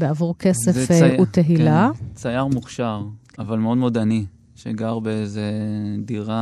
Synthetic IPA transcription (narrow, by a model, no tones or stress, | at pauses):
beavuʁkesefut̪eɦilat͡sajaʁmuχʃaʁ | avalmeod̪mod̪ani | ʃeɡaʁbeezediʁa